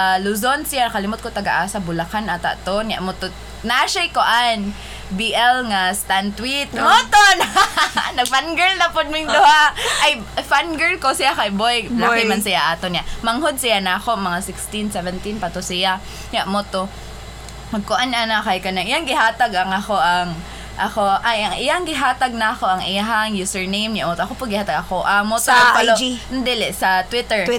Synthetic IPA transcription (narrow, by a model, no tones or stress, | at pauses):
alʊzonsijanɐkalɪmʊt̪̚kot̪aɡaʔaːsabʊlakanat̪a̰ʔt̪onɲa̰ʔmot̪o | naʔaʃajkʊʔan | biʔɛlŋast̪ant̪wit̪̚mot̪on | nɐɡ̚fanɡɛlnapʊd̪̚mɪŋd̪ʊhaʔaj | fanɡɛlkosijakajbojlaɪmansɪjaʔaːt̪onjaʔmɐŋɦʊd̪̚sɪjanaːkoʔmɐŋasɪkst̪insɛvɛnt̪inpat̪osɪja | ɲaʔmot̪o | mɐɡ̚kʊʔananakajkɐnaŋʔɪjaŋɡɪɦaːt̪aɡaŋɐxoʔaŋ | ʔɐkoʔajaŋʔɪjaŋɡɪɦaːt̪aɡ̚nakoʔɐŋʔɪaɦaŋjusɛɹnejmɲaʔmot̪oʔakopʊd̪̚ɡɪhaːt̪aɡakoʔaŋmot̪oapalond̪ɪlɪsɐt̪wɪt̪ɛɹ